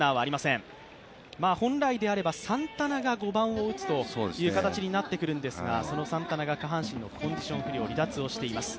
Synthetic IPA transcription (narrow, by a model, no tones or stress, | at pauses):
aːβaːɾʲimasẽ̞m | maːhõ̞nɾaid̪e̞aɾe̞basãnt̪anaɡaɡo̞bãɰ̃o̞ɯ̟t͡sɨ̥t̪o̞soejɯ̟ːkat̪at͡ɕiɲ̟inat̪ːe̞kɯ̟ɾɯ̟̃nd̪e̞sɨɡa̰so̞no̞sãnt̪anaɡakaɦãɰ̃ɕĩnːo̞kʰõ̞ɲ̟d͡ʑiɕõ̞ɰ̃ɸɯ̟ɾʲio̞ɾʲid̪at͡sɨo̞ɕi̥t̪e̞imasɨ̥